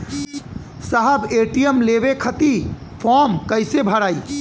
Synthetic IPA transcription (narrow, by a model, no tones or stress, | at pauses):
saɦəbeʈijəmlebekʰət̪ipʰɔmkəjsebʱəɾaj